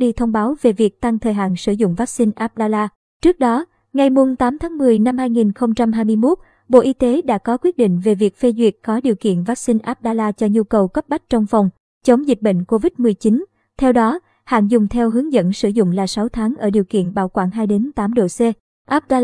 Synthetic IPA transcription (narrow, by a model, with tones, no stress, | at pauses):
ɗi˧t̪ʰə˧wŋ͡mɓaː˨˦wve˨˩vi˨˩ək̚t̪a˧ŋt̪ʰəː˨˩jɦa̰ː˧˨nsɨ˧˩zʊ̰˧˨ŋ͡mvaː˦˥k̚sï˧nʔaː˦˥p̚ɗaː˧laː˧ | t͡ɕɨ˦˥ək̚ɗɔ˨˦ | ŋa˨˩jmu˨˩ŋ͡mt̪aː˨˦mt̪ʰaː˨˦ŋmɨ˨˩əjna˧mhaː˧jŋi˨˩nxə˧wŋ͡mt͡ɕa˧mɦaː˧jmɨ˧əjmo˦˥t̚ | ɓo̰˧˨ʔi˧t̪e˨˦ɗa̰ː˧˥kɔ˨˦kwi˦˥t̚ɗḭ˧˨ŋ̟ve˨˩vi˨˩ək̚fe˧zwḭ˨˩ət̚kɔ˨˦ɗi˨˩əwkḭ˧˨ənvaː˦˥k̚sï˧nʔaː˦˥p̚ɗaː˧laː˧t͡ɕɔ˧ɲu˧kə˨˩wkə˦˥p̚ɓa˦˥k̟̚t͡ɕɔ˧wŋ͡mfɔ˨˩wŋ͡m | t͡ɕə˨˦wŋ͡mzi̟˨˩ɓḛ˧˨ŋ̟ko˧vi˦˥t̚mɨ˨˩əjt͡ɕi˨˦n | t̪ʰɛ˧wɗɔ˨˦ | ha̰ː˧˨nzʊ˨˩ŋ͡mt̪ʰɛ˧wɦɨ˨˦əŋzə̰˧˥nsɨ˧˩zʊ̰˧˨ŋ͡mlaː˨˩sa˨˦wt̪ʰaː˨˦ŋʔəː˧˩ɗi˨˩əwkḭ˧˨ənɓa̰ː˧˩wkwaː˧˩nɦaː˧jɗe˨˦nt̪aː˨˦mɗo̰˧˨se˧ | ʔaː˦˥p̚ɗa˧